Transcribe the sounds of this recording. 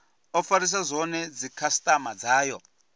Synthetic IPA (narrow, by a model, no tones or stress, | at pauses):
ɔfaɾis̬azʷɔnɛd͡zikʰastʼamad͡zaːjɔ